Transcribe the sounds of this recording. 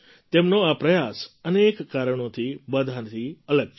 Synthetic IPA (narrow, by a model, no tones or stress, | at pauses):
t̪eːmnõapɾɐjaːsəneːkːaːɾəɽ̃õt̪ʰibəd̪ʱant̪ʰiələɡ̚